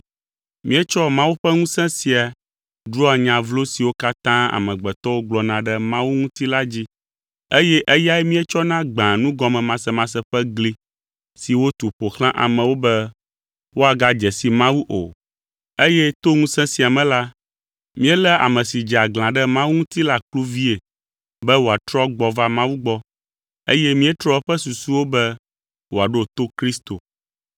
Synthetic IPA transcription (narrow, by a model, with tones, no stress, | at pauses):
mĩ˦ɛ˦t͡ʃɔ˦mã˦wu˦ɸɛ˦ŋũ˦sɛ̃˦si˨a˨ | ɖɾu˦a˨ɲã˨vlo˦si˨wo˦ka˦t̪ã˦a̰˨mɛ̃˨ɡ͡bɛ˨t̪ɔ˦wo˦ɡ͡blɔ˨nã˨ɖɛ˦mã˦wu˦ŋũ˦t̪i˦la˦d͡ʑi˦ | e˦jɛ˦ʔe˦ja˦ɛ˦mĩ˦ɛ˦t͡ʃɔ˦nã˦ɡ͡bã˨nũ˦ɡɔ˨mɛ̃˨mã˨sɛ˦mã˨sɛ˦ɸɛ˦ɡli˦ | si˨wo˦t̪u˨ɸo˨xlã˦ʔa̰˨mɛ̃˨wo˦bɛ˦ | wo˦a˨ɡa˦d͡ʒɛ˨si˨mã˦wu˦ʔo̰˨ | e˦jɛ˦t̪o˦ŋũ˦sɛ̃˦si˨a˨mɛ̃˦la˦ | mĩ˦ɛ˦lɛ˦a̰˨mɛ̃˨si˨d͡ʒɛ˨a˨ɡlã˨ɖɛ˦mã˦wu˦ŋũ˦t̪i˦la˦k͡plu˦vi˦e˨ | bɛ˦wo˨a˨t̪ɾɔ˦ɡ͡bɔ˨va˦mã˦wu˦ɡ͡bɔ˦ | ḛ˦jɛ˦mĩ˦ɛ˦t̪ɾɔ˦ɸɛ˦su˨su˦wo˦bɛ˦ | wo˨a˨ɖo˦˨t̪o˦kɾi˦st̪o˨